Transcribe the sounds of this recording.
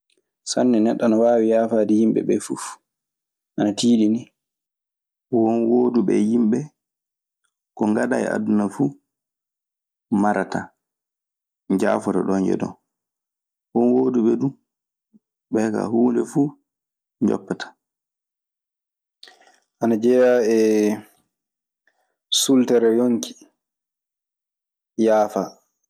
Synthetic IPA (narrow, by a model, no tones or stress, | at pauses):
sanːɛnɛɗːanawaːwijaːfaːdijimbɛ̰ɓɛfuf | ʔanatiːɗini | wɔnwoːduɓɛjimɓɛ | kɔŋɡaɗa̰j̰ʔa̰dunafuː | maɾata | d͡ʒaːfɔtɔɗɔɲd͡ʒɛ̰dɔ̰ | ʔɔnwoːduɓɛdum | ɓɛka̰huːndɛfu | ɲd͡ʒɔ̰pːatʰḁ | ʔanad͡ʒɛjaɛ | sultɛɾɛjoŋkʰi̥ | jaːfa